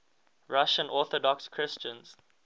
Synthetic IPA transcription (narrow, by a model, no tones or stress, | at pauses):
ɹaʃə̃nʔɔːˑθɔdɔkskʰɹɪst͡ʃə̃nz̥